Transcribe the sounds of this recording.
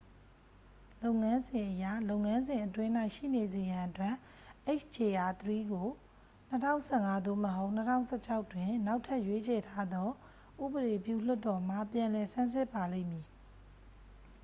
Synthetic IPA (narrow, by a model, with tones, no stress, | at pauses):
lo˦ʊʔŋã˦nzɪ̃˨ʔəja˦˨lo˦ʊ̃ŋã˦nzɪ̃˨ʔətwɪ̃˦n̥a˦ɪʔʃḭ˦˨ne˨ze˨jã˨ʔətwɛ˦˨ | ʔe˦ɪt͡ʃt͡ɕʰe˨ʔa˨t̪əɹi˦ɡo˨ | n̥ə˦tʰã̰˦˨ʊ̃nsʰɛ̰˦˨ŋa˦d̪o˦˨məɦo˦ʊʔn̥ə˦tʰã̰˦˨ʊ̃sʰɛ˦t͡ɕʰa˦ʊtwɪ̃˨na˦ʊtʰa˦ʔjwe˦t͡ɕʰɛ˨tʰa˦d̪ɔ˦ | ʔṵ˦˨bəɾe˨pjṵ˦˨l̥ʊ˦tːɔ˨m̥a˦˨pjã˨lɛ˨sã˦sɪ˦˨pːa˨lḛ̃˦ɪ̃˨mji˨